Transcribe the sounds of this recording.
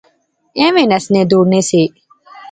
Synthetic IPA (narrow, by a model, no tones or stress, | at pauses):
ẽːʋẽnɐsned̪uːɾneseː